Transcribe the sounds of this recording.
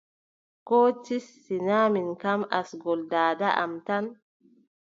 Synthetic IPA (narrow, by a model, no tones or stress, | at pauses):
kɔːtisːinaːminkamasɡɔldaːdaʔa̰mtan